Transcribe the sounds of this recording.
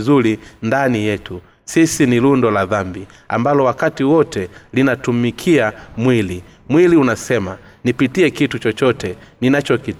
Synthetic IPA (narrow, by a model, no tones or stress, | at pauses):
zulindanijɛtu | sisinilundɔlaðambi | a̰mbalɔwakatiwɔtɛlinatumikʰiamwili | mwiliunasɛma | nipitiɛkitut͡ʃɔt͡ʃɔtɛninat͡ʃɔki